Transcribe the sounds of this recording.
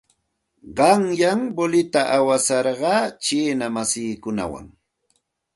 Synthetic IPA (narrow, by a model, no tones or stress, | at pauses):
ɢɑŋjaŋbolɪt̪aʔawasɑɾɢɑːt͡ʃiːnamasiːkʊna̰wa̰ŋ